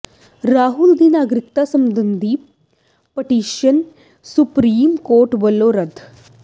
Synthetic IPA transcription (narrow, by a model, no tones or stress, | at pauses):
ɾaːɦuld̪ʱinaːɡɾɪk̚t̪asɐmd̪ənd̪iːp | pəʈiːʃən | supɾiːmkoːɾʈbəlːoːɾɐd̪ʱ